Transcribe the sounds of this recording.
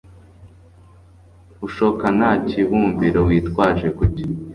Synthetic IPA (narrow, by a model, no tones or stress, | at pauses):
uʃokanaːciβuːmbiɾowiːtkwaːʒe̞kuci